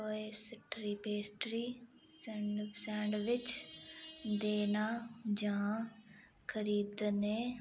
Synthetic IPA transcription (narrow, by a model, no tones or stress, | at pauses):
oeːsɪʈʰɾiːpeːsʈɾiː | səɳɖsɛ̃ːɳɖʋɪt͡ʃ | d̪eːnaːd͡ʒã | kʰəɾiːd̪neː